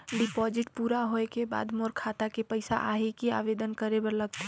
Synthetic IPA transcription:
ɖɪpɔːd͡ʒɪʈpuːɾaɦoekeba̰ːd̪moːɾkʰaːt̪akepəɪsa̰ʔaːɦekia̰ːʋeːd̪ənkəɾebəɾləɡt̪e

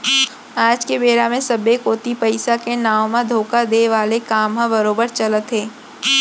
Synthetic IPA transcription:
aːd͡ʒkebeːɾamẽsɐbekoːt̪ipɐɪsakenaːwmãd̪ʱoːkad̪eːʋaːlekaːmɦãbɐɾoːbəɾt͡ʃɐlət̪ɦeː

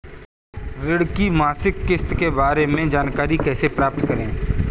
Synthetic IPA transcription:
ɾɪɽkimaːsɪkːɪst̪kebaːɾemẽd͡ʒaːnkaːɾikɛːsepɾaːp̚t̪kəɾẽː

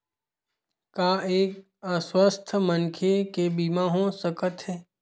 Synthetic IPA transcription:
kaːeːk | əswəst̪ʰmənkʰekebiːmaːɦõsəkət̪ɦɛː

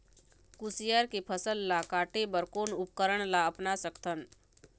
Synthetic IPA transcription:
kusijaɾkepʰəsəlːakaːʈebəɾkoːnʊp̚kəɾəɽ̃laəpnasəkt̪ʰən

